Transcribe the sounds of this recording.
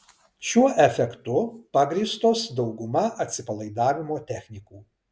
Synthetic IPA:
ʃʲuɔʔɛfʲɛkt̪ʊpɐɡɾʲiːst̪oːsd̪ɒʊɡʊmɐʔɐt̪ʲsʲɪpɐlˠɐɪd̪ɑːʋʲɪmoːt̪ʲɛxʲnʲɪkuː

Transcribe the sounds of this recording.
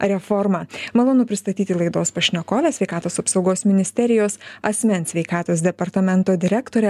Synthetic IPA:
ɾʲɛfɔɾmɑːmɐlˠoːnʊpʲɾʲɪst̪ɐt̪ʲiːt̪ʲɪlˠɐɪd̪oːspɐʃʲnʲokoːlʲɛsʲʋʲɛɪkɑːt̪oːsɐpsɒʊɡoːsmʲɪnʲɪsʲt̪ʲɛɾʲɪjoːsɐsʲmʲɛnʲsʲʋʲɛɪkɑːt̪oːsd̪ʲɛpɐɾt̪ɐmʲɛnt̪oːd̪ʲɪɾʲækt̪oːɾʲɛ

